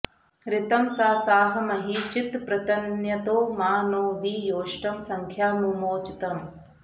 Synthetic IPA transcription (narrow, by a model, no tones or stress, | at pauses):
ɾɪt̪ɐmsaːsaːɦɐmɐɦit͡ʃit̪pɾɐt̪ɐnjɐt̪oːmaːnoːʋijoːʂʈɐmsɐŋkʰjaːnumoːt͡ʃit̪ɐm